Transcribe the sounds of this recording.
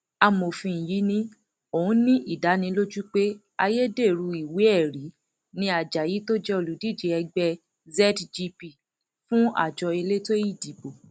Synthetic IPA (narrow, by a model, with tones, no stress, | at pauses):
a˧mo˨fĩ˧˨ji˨˦nĩ˦ | o˨ũ˨˦nĩ˦ʔi˦˨da˨˦nĩ˧˦lo˦d͡ʒu˦k͡pe˦ | a˧je˦de˦˨ɾu˧i˨we˨˦ɛ˦˨ɾi˨˦ | nĩ˧˦a˨d͡ʒa˨ji˨˦to˦d͡ʒɛ˦o˧˨lu˨˦di˦˨d͡ʒi˧ɛ˧ɡ͡bɛ˧ | zɛ˦dd͡ʒi˧pi˦˨ | fũ˦a̰˦˨d͡ʒɔ˧e˧le˦to˦ji˦˨di˨bo˨